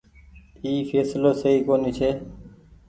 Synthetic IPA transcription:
iːfʰeːsloːsəɦiːkoːniːt͡ʃʰeː

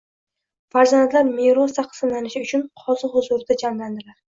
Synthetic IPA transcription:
faɾzand̪laɾmeɾɒsaqsɨnanɪʃɪʊt͡ʃʰʊnqʰɒzɨhʊzʊɾd̪ad͡ʒamland̪ɪlaɾ

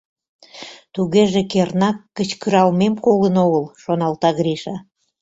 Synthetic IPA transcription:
t̪uɣeʒekernɑkːət͡ɕkyɾɑlmemkolənoɣəlʃonɑlt̪ɑɣɾiʃɑ

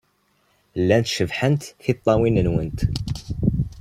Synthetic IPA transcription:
lːænt̪ʃəvħənt̪θit̪ˤːɑwinənwənt̪

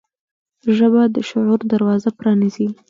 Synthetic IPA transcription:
ʒəbad̪əʃʊʕuɾd̪aɾwɑzapɾɑnizi

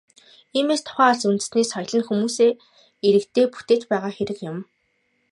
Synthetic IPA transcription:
iːmeːst̪ʰʊ̥χæːɮsunt̪ɘ̆sneːsχɔj̆ɮə̆nxumuːseː | iɾɘ̆kt̪ʰeːpu̥t̪eːt̪pæːʁaːxeɾɘ̆kjʊ̆m

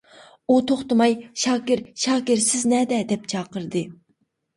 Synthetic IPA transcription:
ut̪ʰoχt̪ɨmɑjʃɑːkʲɪɾʃɑːkʲɪɾsɪznɛd̪ɛd̪ɛp̚t͡ʃʰɑːqəɾd̪ɨ

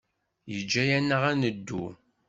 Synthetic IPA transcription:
jəd͡ʒːæjænːəʁænəd̪ːṵ

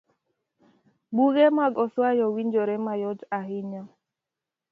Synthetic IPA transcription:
buɣemaɡɔswajɔwiɲd͡ʒoɾemajɔd͡ʒaɦɪɲɔ

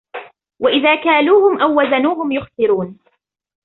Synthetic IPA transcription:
waʔɪðaːkaːluːhʊmʔawːazanuːhʊmjʊxtɨɾuːn

